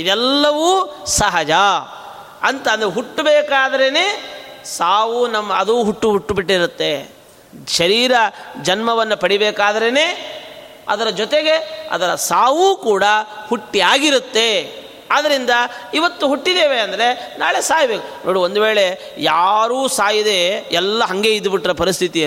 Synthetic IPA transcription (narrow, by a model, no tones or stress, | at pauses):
id̪ɛlːɐʋuːsɐɦɐd͡ʒɐ | ɐnt̪aːnd̪ɐɾeɦuʈːbeːkaːd̪ɐɾeneː | saːʋunɐmːɐɐd̪uːɦuʈːuɦuʈːubiʈːiɾut̪ːe̞ | ʃɐɾiːɾɐd͡ʒɐnmɐʋɐnːupɐɽibɛːkaːd̪ɐɾene̞ː | ɐ̰d̪ɐɾɐd͡ʒɔt̪eɡeɐ̰d̪ɐɾɐsaːʋuːkuːɽɐhuʈːiaːɡiɾut̪ːe̞ | ad̪ɐɾind̪ɐiʋɐt̪ːuɦuʈːid̪eːʋeɐnd̪ɐɾe̞na̰ːɭe̞saːjbeːkunoːɽiond̪uʋe̞ːɭe̞ | jaːɾuːsaːjid̪e̞ɛlːɐɦɐŋɡe̞id̪ubiʈːɾɐpɐɾist̪ʰit̪iɐ